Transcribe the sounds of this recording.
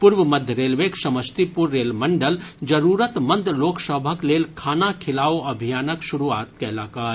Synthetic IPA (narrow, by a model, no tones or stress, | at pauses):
puɾʋəməd̪ʱjəɾeːlʋeksɐməst̪ipuɾːeːlməɳɖəld͡ʒəɾuːɾət̪mənd̪loːksəbʱəkleːlkʰaːnakʰɪlaːoɐbʱijaːnəkʃuɾuaːt̪̚kɛlaːkaːɾ